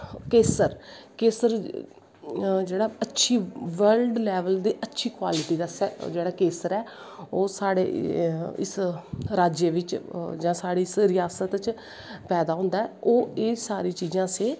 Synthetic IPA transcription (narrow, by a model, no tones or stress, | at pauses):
keːsəɾkeːsəɾ | d͡ʒeːɽaːətːʃʰiːʋəlɖlɛːʋəld̪iːʔətːʃʰiːkwaːlɪʈiːd̪aːsɛd͡ʒeːɽaːkeːsəɾɛː | oːsaːɽḛːɪ̰sɾaːd͡ʒeʋɪt͡ʃd͡ʒãːsaːɽiːɪsɾɪjaːsət̪t͡ʃ | pɛːd̪aːɦʊ̃nd̪aːɛːʔoːeːsaːɾiːt͡ʃiːd͡ʒãːseː